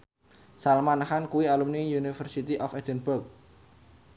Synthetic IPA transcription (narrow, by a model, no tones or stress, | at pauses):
salmanhankuwialumnijunifərsit̪iʔɔfɛd̥ənbʊrk̚